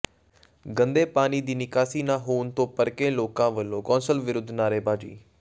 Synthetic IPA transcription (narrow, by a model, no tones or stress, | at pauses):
ɡənd̪eːpaːniːd̪iːnɪkaːsiːnãːɦoːnt̪õːpəɾkeːloːkãːʋəlːõːkɔ̃ːnsəlʋɪɾʊd̪ʱnaːɾeːbaːd͡ʒḭː